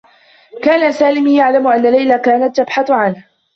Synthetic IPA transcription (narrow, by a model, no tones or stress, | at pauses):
kaːnasaːlɪmjaʕlamʊʔanːalːajlakaːnat̪ːabħaθʕanh